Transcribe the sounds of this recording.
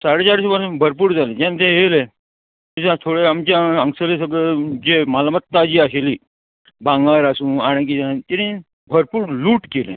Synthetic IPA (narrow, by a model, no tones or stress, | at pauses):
saɽet͡ɕaɾisubənbʱəɾp̬uːɾd͡zalẽd͡ʑãnt̪ẽɦele | d͡ʑãt̪ʰoɽeamt͡ɕjaəŋsəles̬əɡɭed͡ʑemalamət̪ːad͡ʑiːaɕeliː | bãŋɡaɾasũːaɽ̃ẽkid͡zant̪iɾĩ | bʱəɾpuːɾluːʈkelḛ̃